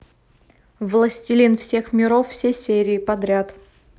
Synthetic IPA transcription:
vlˠəsʲtʲɪlʲinfsʲe̞xmʲɪɾofːsʲesʲeɾʲɪːpɐd̪ɾʲat̪

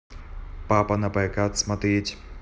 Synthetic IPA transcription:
papɐnɐpɐkat̪smɐt̪etʲ

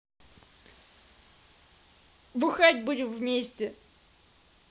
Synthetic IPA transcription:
bɨxatʲbudʲɪmvmʲesʲtʲɪ

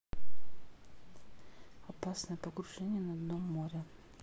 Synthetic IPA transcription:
ɐpasnəjəpəɡɾʊʐɛnʲɪjənɐɐd̪nomːoɾʲɪ

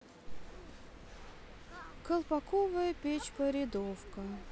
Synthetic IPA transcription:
kəlˠpɐkovəjəpʲet͡ɕpəɾʲɪd̪ofkə

